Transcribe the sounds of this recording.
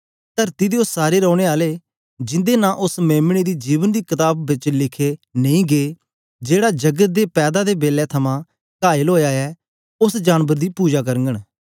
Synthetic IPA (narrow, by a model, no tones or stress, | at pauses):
t̪əɾt̪iːd̪eːʊsaːɾeːɾɔ̃ːɽ̃eːaːleː | d͡ʒɪ̃nd̪eːnãʔʊsmɛːmɽ̃id̪iːd͡ʒiːʋənd̪iːkɪt̪aːbːɪt͡ʃlɪkʰeːnɐ̃ĩːɡeː | d͡ʒeːɽaːd͡ʒəɡət̪̚d̪eːpɛːd̪ad̪eːbeːlɛːt̪ʰəmãː | kaːɪəlɦoːjaːɛː | ʊsd͡ʒaːnbəɾd̪iːpuːd͡ʒaːkəɾəŋɡəɽ